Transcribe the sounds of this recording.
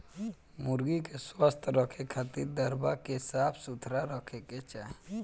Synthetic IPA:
mʊɾɡikeswəst̪ʰɾəkʰekʰat̪iɾd̪əɾbakesaːpʰsut̪ʰɾaɾəkʰeket͡ʃae

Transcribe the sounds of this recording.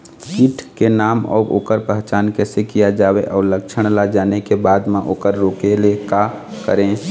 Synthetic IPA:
siːʈʰkenaːmɔ̰ːʔo̰ːkəɾpəɦt͡ʃaːnkɛsekijad͡ʒaːbeʔɔːɾləkʃʰəɽ̃lad͡ʒaːnekebaːd̪meʔo̰ːkəɾːoːkelekakəɾẽ

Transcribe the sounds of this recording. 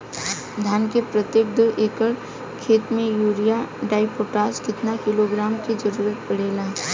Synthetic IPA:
d̪ʱjaːnkepɾət̪jeːk̚d̪əʔeːkəɽ | kʰeːt̪mẽjuːɾijaɖaːɪpoːʈaːzkɪt̪nakɪloɡɾaːmkid͡ʒɐɾuːɾət̪̚pɐɽeːlaː

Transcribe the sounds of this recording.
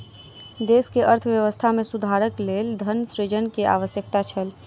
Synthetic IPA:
d̪eskeʔəɾt̪ʰəʋjəʋəst̪ʰamesud̪ʱaɾəkleld̪ʱənsɾed͡ʒənkeʔa̰ʋəsjək̚t̪at͡ʃʰəl

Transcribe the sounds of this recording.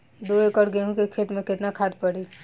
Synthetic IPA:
d̪oekəɽɡeɦũkekʰeːt̪mẽkɪt̪nakʰaːt̪pɐɽ̤iː

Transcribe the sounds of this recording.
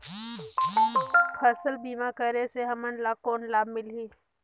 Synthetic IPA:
pʰɛːsəlbiːmakəɾeseɦɐmənlaːkoːnlaːbmɪlɦiː

